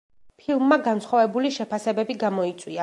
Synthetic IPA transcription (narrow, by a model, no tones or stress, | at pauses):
pʰilˠmːaɡansχɔvɛbuliʃɛpʰasɛbɛbiɡamɔit̪sʼwia